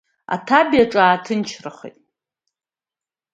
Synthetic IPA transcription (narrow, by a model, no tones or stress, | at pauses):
a̰tʰabjaʈ͡ʂʼaːtʰɨnt͡ʃʰraχʷḛtʼ